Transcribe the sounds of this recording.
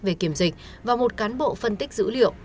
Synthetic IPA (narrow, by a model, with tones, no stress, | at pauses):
ve˨˩ki˧˩əmzï˨˩k̟̚ | vaː˨˩mo˨˩t̚kaː˨˦nɓo̰˧˨fə˨˧˩nt̪i˦˥k̟̚zɨ̰˧˥lḭ˧˨əw